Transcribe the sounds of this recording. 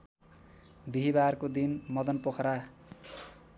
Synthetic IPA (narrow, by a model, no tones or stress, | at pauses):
biɦibarkod̪inmʌd̪ʌnpokʰɾa